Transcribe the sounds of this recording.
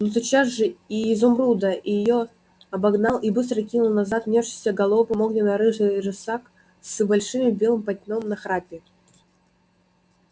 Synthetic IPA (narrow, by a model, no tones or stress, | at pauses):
nos̬ʲɪt͡ɕazʐɨiːzʊmɾud̪əʔɪjɪjo | ɐbɐɡnalˠibɨs̬t̪ɾəkʲinʊlˠnɐzat̪vnʲefʂɨ̥sʲəɡɐlˠovpɐmoɡnʲɪnɐɾɨʐɨʐɨsak | sbɐlʲʂɨmʲbʲe̞lˠɨmpɐt̪ʲnʲomnɐxɾapʲɪ